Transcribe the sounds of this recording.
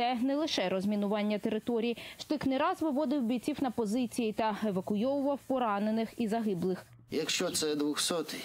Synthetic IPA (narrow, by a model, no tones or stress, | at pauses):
ɛnɛlˠɪʃɛɾɔzʲmʲinʊʋɑnʲːɐt̪e̞ɾɪt̪ɔɾʲijiʃt̪ɪxnɪɾɑzʋɪʋɔd̪ɪwbʲit͡sʲiwnɐpɔzɪt͡sʲijit̪ɐeʋɐkʊjɔwʊʋɐwpɔɾɑne̞nɪxizɐɦɪblˠɪx | jɐkʃt͡ʃɔt̪sɛd̪ʋɔxsɔt̪